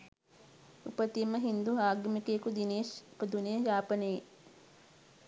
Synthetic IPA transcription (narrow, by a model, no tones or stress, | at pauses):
ṵpət̪imːəɦind̪uɦaːɡɐmikekud̪ineːʃpəd̪unijəjaːpənəje